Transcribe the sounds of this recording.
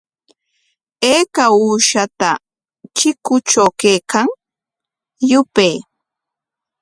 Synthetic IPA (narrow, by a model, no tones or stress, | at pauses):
eːkauːʃat̪a | t͡ʃɪkʊt͡ʃawkejkaŋ | jʊpej